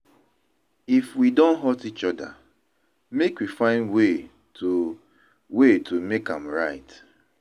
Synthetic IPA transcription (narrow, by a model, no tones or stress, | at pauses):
ifwidõnɦɔtit͡ʃɔda̰ | mekwifãɪ̃ndwe | to | wetʰomekã̰mɹaɪt